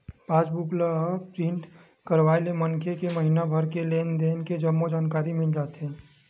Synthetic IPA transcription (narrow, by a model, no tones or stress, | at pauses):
pãːt͡ʃbʊkləpɾɪ̃ɳʈ | kəɾʋaːelemənkʰekemɐɦinabʱɐɾkeleːnd̪eːnked͡ʒɐmːod͡ʒaːnkaːɾimɪld͡ʒaːt̪ɦɛ̃ː